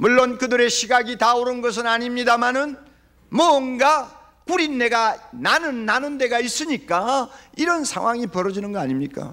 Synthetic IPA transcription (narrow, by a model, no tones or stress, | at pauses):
muɭːonkɯdɯɾe̞ɕʰiɡaɡitaoɾɯnɡʌs̬ʰɯnaɲimɲidamanɯn | mʌnɡa | kuɾinːe̞ɡananɯnːanɯnde̞ɡais͈ɯɲik͈aiɾʌnsʰa̰ŋwaŋipʌɾʌd͡ʑinɯnɡʌaɲimɲik͈a̰